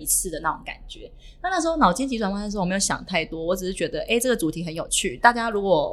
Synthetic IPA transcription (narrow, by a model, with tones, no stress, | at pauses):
i˧˥t͡sʰɹ̩˥˩d̪ə˩na˥˩ʈ͡ʂo˨˧˦ŋka̰˨˩nt͡ɕɥɛ˨˦ | na˥˧na˥˩ʂ̩ɻ̩˧xo˥˧ʊnɑ˨˩ʊt͡ɕi˥ŋt͡ɕi˧˥ʈ͡ʂwa˨˩nwa˥˧˥jo˧˩˦ɕjɑ̰˨˩ŋt̪ʰa˥˩ɪt̪wɔ˥wɔ˧˦ʈ͡ʂɻ̩˨˩ʂɻ̩˥˩t͡ɕɥɛ˧˥d̪ə˧ʔe˥˩ɪʈ͡ʂɤ˥˩ɡə˩t͡su˨˥t̪ʰi˧˥xə˧˦njo˨˩ʊt͡ɕʰy˥˩t̪a˥˩t͡ɕja˥ɻu˧˥kwɔ˨˩